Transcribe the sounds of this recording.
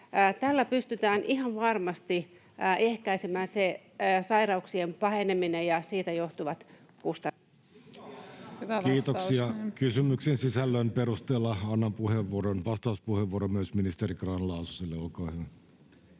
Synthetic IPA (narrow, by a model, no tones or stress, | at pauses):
t̪ælːæpyst̪yt̪æːnʔiɦɑʋʋɑrmɑst̪i | ehkæisemæːnse | sɑirɑuksiempɑheneminejɑsiːt̪æjoht̪uʋɑt̪ | kust̪ɑ | kiːt̪okssiɑkysymyksensisælːønperust̪eːlːɑɑnːɑmpuheʋːuoɾonʋɑst̪ɑˑuspuheʋuoɾomyøsminist̪eɾikrɑnlɑususilːeolkoːhyʋæ